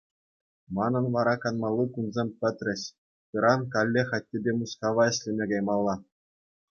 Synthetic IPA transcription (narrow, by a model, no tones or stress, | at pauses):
mɑnɤ̆nʋɑɾɑkɑnmɑlˠːɯkunzʲemʲpʲɘ̆t̪ʲrʲɘ̆ɕ | pɯɾɑnkɑlʲːeχɑt̚ʲːebʲemuskɑʋɑɘ̆ɕʲlʲɘ̆mʲeɡɑjmɑlˠːɑ